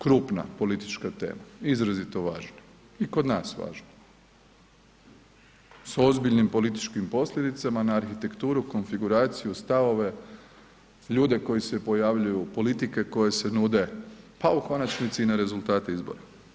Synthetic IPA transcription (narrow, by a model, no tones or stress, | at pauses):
kɾuːpna̰po̞lit̪it͡ʃkat̪e̞̰ːmaizɾazit̪o̞ʋaːʒna | iko̞d̪naːsʋa̰ːʒno | so̞zbiʎnimpo̞lit̪i̥t͡ʃkimpo̞sʎʲe̞d̪it̪samanaːɾxit̪e̞kt̪uːɾuko̞nfiɡuɾaːt̪sijust̪aʋo̞ʋe̞ | ʎuːd̪e̞ko̞jisepo̞jaʋʎujupo̞lit̪ike̞ko̞je̞se̞nuːd̪e̞pauko̞nat͡ʃnit̪sinaɾe̞zulˠt̪aːt̪eizbo̰ɾa